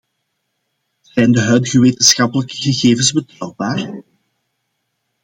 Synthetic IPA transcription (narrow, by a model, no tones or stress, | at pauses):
z̥ɛjndəɦœɥdɣəʋeːtənsxɑpələkəɣəɣeːvənzbətɔwbaːr